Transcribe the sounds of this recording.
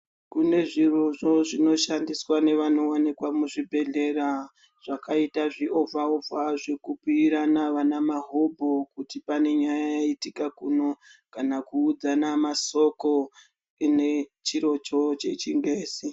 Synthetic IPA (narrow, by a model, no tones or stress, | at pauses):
kune̞ʐiroʐo̞ʐino̞ʃandiswane̞ʋano̞anikwamuʐibʱe̞ɮe̞ɾa | ʐ̥akaitaʐio̞vaovaʐekupuiɾanaʋanamaɦobʱo̞kutipane̞ɲajajaitikakuːno̞kanakuːd͡zanamaso̞ko | ine̞t͡ʃiɾo̞t͡ʃo̞t͡ʃe̞t͡ʃiŋɡeːsi